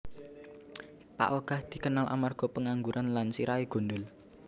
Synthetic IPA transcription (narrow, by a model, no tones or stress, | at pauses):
pa̰ʔoɡ̥a̤hd̪̥i̤kənalʔa̰marɡ̥ɔ̤pəŋaŋɡuɾʔanlansiɾaeɡ̥o̤nd̪ʊl